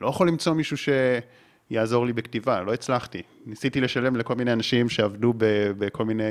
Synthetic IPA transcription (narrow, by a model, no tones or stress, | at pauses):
lo̞jaχo̞lːimt͡so̞miʃuʃe̞ | jaːzo̞ʁlibektivalo̞it͡slaχtinisitileʃale̞mleko̞lmineanaʃimʃe̞avdubebekʰo̞lmine